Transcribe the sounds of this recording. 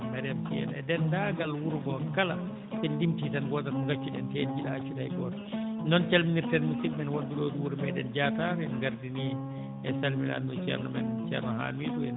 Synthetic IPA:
bɛɾɛmtiɛ̰nɛdɛndaɡalwuɾɡɔkala | sɛndimtidɛnɡɔːtanɡat͡ʃːuɗɛ̰ntedd͡ʒiɗaːt͡ʃːudajɡɔːtanɔnt͡ʃalminiɾtɛnmusibɛnwonduloːduwuɾmɛjɗɛnd͡ʒataɾɛnɡaɾdini | ɛsalmila̰nɔt͡ʃɛ̰ɾnɔmɛ̰nt͡ʃɛ̰ɾnaha̰ːmiːɗuɛ̰

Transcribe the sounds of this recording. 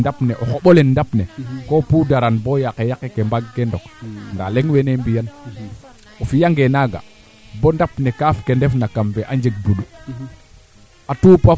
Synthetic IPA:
dapneʔoxoɓolenːdapnekopudaɾanbojakejakekembaɡːendokndaleŋwenembijan | ofijaŋɡenaɡa̰ | bondapnekafkendefnakamveʔaɲd͡ʒeɡ̚buɗu | atupa

